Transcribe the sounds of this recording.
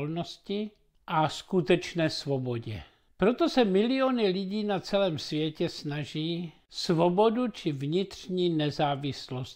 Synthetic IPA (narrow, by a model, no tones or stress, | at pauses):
lnoscɪ | ʔaskut̪ɛt͡ʃnɛːsvoboɟɛ̰ | pɾot̪osɛmɪlɪonɪlɪɟiːnat͡sɛlɛːmsvjɛcɛsnaʒiː | svobodut͡ʃɪvɲɪt̪r̥ɲiːnɛzaːvɪslos